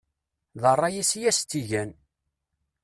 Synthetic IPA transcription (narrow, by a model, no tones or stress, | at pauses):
ðərˤːɑjisjæst̪ːiʝæn